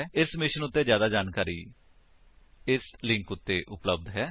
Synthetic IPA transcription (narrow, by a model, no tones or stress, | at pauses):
ɪsmɪʃənʊt̪ːeːzjaːd̪aːd͡ʒaːnkaːɾḭː | ɪslɪ̃ŋkʊt̪ːeːʔʊpləb̚d̪ɦɛː